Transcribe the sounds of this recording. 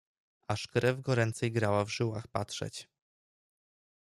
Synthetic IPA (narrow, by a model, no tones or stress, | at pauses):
aʂkɾɛvɡɔɾɛnt̪sɛjɡɾawavʐɘwaxpatʂɛ̰t͡ɕ